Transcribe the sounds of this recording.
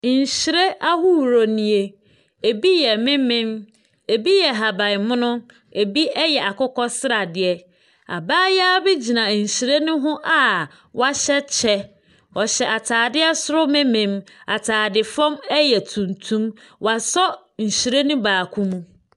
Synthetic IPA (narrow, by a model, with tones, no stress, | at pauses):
ɲ̩˨ɕi˨ɾe˦a˦hu˦wɾo˨nĩ˨e˨ | e˨bi˦jɛ˨mɪ̃˦mɪ̃˦m | e˨bi˦jɛ˨ɦa˨bã˨ɪ˨mʊ̃˦nʊ̃˦ | e˨bi˦ɛ˦jɛ˨a˨kʰʊ˦kɔ˦sɪ˦ɾa˨dɪ˨ɛ˦ | a̰˨baː˦jbɪ˦d͡ʑi˨nã˨ɲ̩˨ɕi˨ɾe˦nʊ̃˦ɦʊ̃˦ʔa˨ | wa˦ɕɛ˦t͡ɕʰɛ˦ | ɔ˨ɕɛ˨ʔa˨tʰaː˨dɪ˦ɛ˦sʊ˦ɾʊ˦mɪ̃˦mɪ̃˨ma˨tʰaː˨dɪ˨fɔ̃˦mɛ˦jɛ˨tʰũ˨ntʰũ˦m | wa˨sɔ˦ | ɲ̩˨ɕi˨ɾe˦nũ˦baː˨kʰũ˦mũ˦